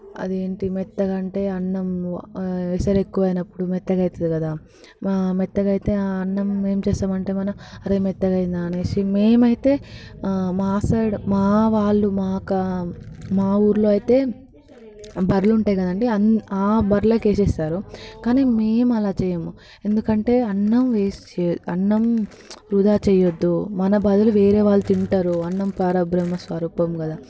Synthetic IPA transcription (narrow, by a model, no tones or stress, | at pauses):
ɐ̰d̪ie̞ːɳʈimɛt̪ːɐɡɐɳʈe̞ːɐnːɐm | esɐɾekːuʋɐːjnɐpːuɽumɛt̪ːɐɡɐjt̪ɐd̪ikɐd̪aː | mɛt̪ːɐɡɐjit̪e̞ːaɐnːɐmːe̞ːmt͡ʃɛːsaːmɐɳʈe̞ːmɐnɐmɐɾemɛt̪ːɐɡɐjind̪aːneːʃimeːmɐjit̪e̞ː | maːsɐɽmaːʋaːɭːumaːkɐ | maːuːɾloːɐjit̪e̞ː | bɐɾluɳʈaːjikɐd̪ɐɳɖiɐaːbɐɾlɐːkeːsɛːsaːɾukaːniːmeːmɐlaːt͡ʃɛːjɐmu | e̞nd̪ukɐɳʈe̞ːɐnːɐmʋeːst͡ʃːɐ̰ɳːɐm | ɾud̪aːt͡ʃɛjɐd̪ːumɐnɐbaːd̪ɐluʋe̞ːɾe̞ːʋaːɭːut̪iɳʈaːɾuɐnːɐmpaːɾɐbɾɐmːɐsʋɐɾuːpɐmɡɐd̪aː